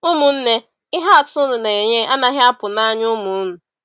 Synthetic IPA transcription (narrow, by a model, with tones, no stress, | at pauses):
ʊ˦mʊ˨n̩˦ne˦ | ɪ˦ɦa˦a˨tʊ˦nʊ˨ne˨ɲe˦ʔa˦na˦ɦɪ˦a˦pʊ˨na˦ɲʊ˦mʊ˨˦nʊ˨